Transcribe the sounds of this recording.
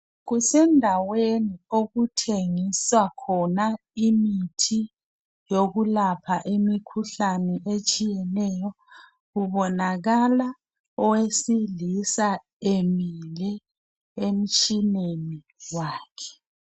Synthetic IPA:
ɣusɛndʱawenioɣutʰeŋiswakʰɔna | imitʰi | joɣulapʰaʔimikʰuɬanɛʔet͡ʃʼijɛnɛjɔ | ɣuβɔnaɣala | ɔwesilisa | emilɛ | em̩t͡ʃʼineni | waːkʰɛ̥

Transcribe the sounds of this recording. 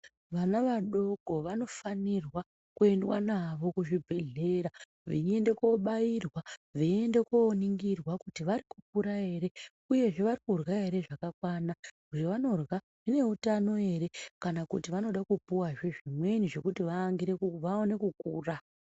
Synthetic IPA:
ʋanaʋaɗo̞ɡʱo̞ʋano̞fanirwa | kue̞ndwa̰naʋo̞kuʐibʱe̞ɮe̞ɾa | ʋie̞nde̞ko̞ɓajirwaʋie̞nde̞koːniŋɡirwakutiʋaɾikuk̚uɾae̞ɾe̞ | uje̞ʐe̞ʋaɾikurwae̞ɾe̞ʐakakwana | uʐeʋano̞rwa | ʐine̞utano̞e̞ɾe̞kanakutiʋano̞ɗakupuwaʐeʐimwe̞niʐe̞kutiʋaːŋɡiɾe̞kuʋaone̞kukuːra

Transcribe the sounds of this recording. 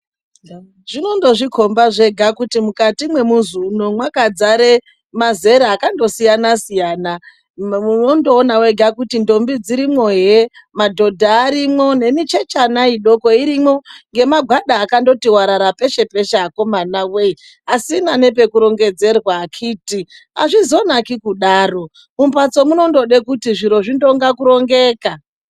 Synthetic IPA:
ʐ̥ino̞ndo̞ʐikʰo̞mbaʐe̞ɡʱakutimukatimwe̞muzuno̞mwakad͡zaɾe̞ | maze̞ɾaːkando̞sijanasijaːna | muno̞ndo̞ːnawe̞ɡʱakutindo̞mbid͡ziɾimwo̞ɦe | madʱo̞dʱaːɾimo̞ne̞mit͡ʃe̞t͡ʃanaiɗo̞ko̞iɾimo̞ŋɡe̞maɡʱwaɗaːkando̞tiwaɾaɾape̞ʃe̞pe̞ʃako̞manawei | asinane̞p̬e̞kuɾo̞ŋɡe̞d͡ze̞rwakʰiːti | a̰ʐizo̞nakikuɗaːro̞ | mumpat͡so̞muno̞ndo̞ɗekutiʐiɾo̞ʐindo̞ŋɡakuɾo̞ŋɡe̞ːka

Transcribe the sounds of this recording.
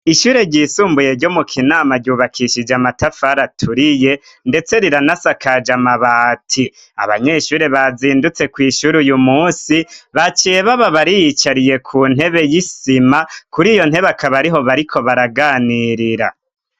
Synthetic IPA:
iʃuːɾe̞ɟiːsuːmbuje̞ɾɟo̞mukʰinaːmaɟuːβakʰiʃid͡ʒamatafaɾatʰuɾije̞ | nde̞t͡se̞ɾiɾanasakad͡ʒamaβaːtʰi | a̰βa̰ɲe̞ʃuːɾe̞βaziːndut͡se̞kwiːʃuɾujumuːsiβat͡ʃijeβaβaβaɾijit͡ʃaɾije̞kʰun̥he̞βe̞jisimakuɾijo̞n̥he̞βakaβaɾiɦo̞βaɾikʰo̞βaɾaɡaːniɾiɾa

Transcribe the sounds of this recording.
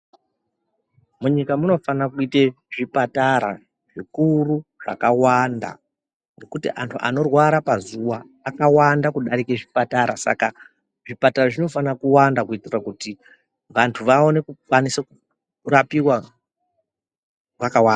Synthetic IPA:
muɲikamuno̞fanakuite | ʐipataɾa̰ | ʐikuruʐ̥a̰kawanda̰ | ŋɡe̞kutiʔantʰuʔa̰no̞rwaɾapazuwaː | kawandakuɗaɾikeʐipataɾasa̰ka | ʐipataraʐino̞fanakuwandakuitirakuti | ʋantʰuʋaonekukaniseku | rapiwa | ʋakawaːnda

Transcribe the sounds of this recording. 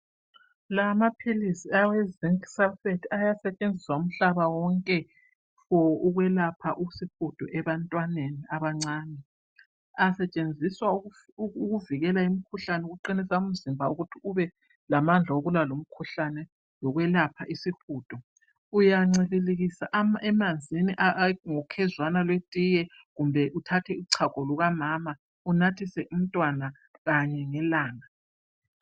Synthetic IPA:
lamapʰilisiawɛziŋksɛlfetʰajasɛt͡ʃʼend͡zʱiswaum̩ɬaβawɔŋkʼɛ | fɔuɣwɛlapʰaʔusixud̥ʼʱɔʔɛβantʼwaneniaβaŋ͡ǀaːnɛ | asɛt͡ʃʼend͡zʱiswa | uɣuviɣɛlaimikʰuɬanɛuɣuǃinisaum̩zimbʱauɣutʰiuβɛ | lamand͡ɮʱaoɣulalom̩kʰuɬanɛ | lɔɣwɛlapʰaʔisixuːtʼɔ | ujaŋ͡ǀililiɣisaʔɛmand͡zʱiniʔaŋɔkʰɛzwanalwetʼijɛ | ɣumbʱɛʔutʰatʰɛuǀʰakʼɔluɣamaːma | unatʰisɛʔum̩tʼwana | ɣaɲɛŋɛlaːŋa

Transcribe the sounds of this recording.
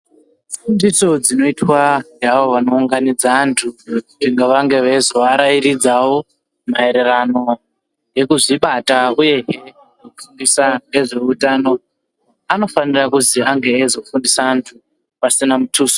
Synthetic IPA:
fundiso̞d͡zino̞itwaŋɡaʋoʋano̞uŋɡanid͡zaːntʰuuʐiŋɡaʋaŋɡe̞ʋezoʋaɾaiɾid͡zawo | mae̞ɾe̞rano̞ | je̞kuʐiɓatauje̞ɦe | jokufundisaŋɡe̞ʐe̞utano̞ | ano̞fanirakuziaŋɡe̞ːzo̞fundisaːntʰu | pasinamutʰuːso̥

